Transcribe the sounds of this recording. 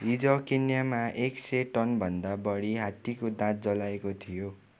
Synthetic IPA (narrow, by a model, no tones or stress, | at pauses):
id͡zʌkinjamaʔekseʈʌnbʱʌnd̪abʌɽiɦat̪ːikod̪ãt̪̚d͡zʌlaekot̪ʰijo